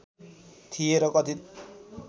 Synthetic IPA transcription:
t̪ʰijeɾʌkʌt̪ʰi

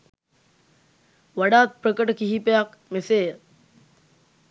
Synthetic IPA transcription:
ʋaɖaːt̪̚pɾəkəʈəkiɦipejakmeseːə

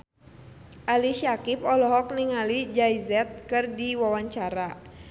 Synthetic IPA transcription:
ʔaliʃiakipɔlɔɦɔk̚niŋalid͡ʒaizɛt̪̚kɨrdiwawaɲt͡ʃaɾa

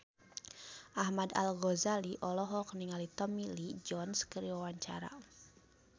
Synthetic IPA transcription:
ʔahmad̪a̰lɡɔzaliʔɔlɔɦɔkəniŋalit̪ɔmilid͡ʒɔnskəɾiwawaɲt͡ʃaɾa̰

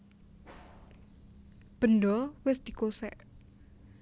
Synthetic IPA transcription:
b̥ə̤nɖɔwɪsd̪̥i̤kosɛ̰ʔ

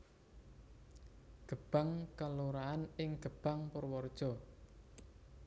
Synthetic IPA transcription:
ɡ̥ə̤b̥a̤ŋkaluɾaanɪŋɡ̥ə̤b̥a̤ŋpʊrwɔrd̥ʒ̥ɔ̤

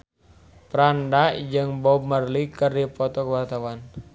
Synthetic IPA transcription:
pɾandad͡ʒɨŋbɔmərlikərdipɔt̪ɔkəwart̪awan

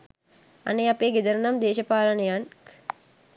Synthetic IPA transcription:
ɐ̰nejɐpeːɡid̪ɐɾnɐmd̪eːʃɐpaːlɐnɐjaːn

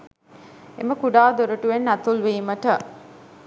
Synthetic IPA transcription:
ḛməkuɖaːd̪oɾuʈuʋenːæt̪ulʋiːməʈə

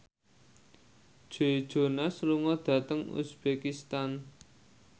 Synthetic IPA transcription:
d̥ʒ̥eid̥ʒ̥o̤nasluŋɔd̪̥ä̤t̪əŋṵsb̥ekist̪an

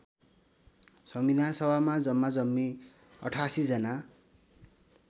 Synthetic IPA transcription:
sʌmbid̪ʱansʌbʱamad͡zʌmːad͡zʌmːi | ʌ̰ʈʰasid͡zʌna

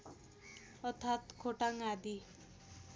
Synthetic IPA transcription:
ʌt̪ʰat̪kʰoʈaŋad̪i

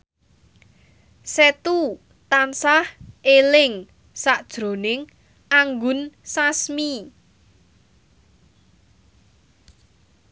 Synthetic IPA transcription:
set̪u | t̪ansahelɪŋ | saʔd̥ʒ̥ɾo̤nɪŋ | aŋɡʊnsasmi

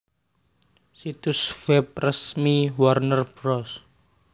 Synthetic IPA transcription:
sit̪uswɛp̚rəsmiwarnərb̥ɾɔs

